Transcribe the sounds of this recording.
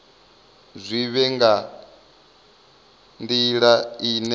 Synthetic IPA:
zʷiβɛŋɡa | ndiɺaiːnɛ

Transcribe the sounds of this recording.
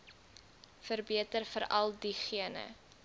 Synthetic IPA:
fərbiətərfəɾɐ̰lˠdiχiənə̰

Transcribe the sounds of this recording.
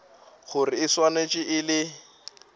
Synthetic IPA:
χʊrɪɪswanet͡ʃʼɪʔɪlɪ

